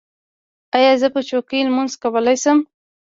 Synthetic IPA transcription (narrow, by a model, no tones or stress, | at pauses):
ajɑzəpət͡ʃokilmunzkawəlajsəm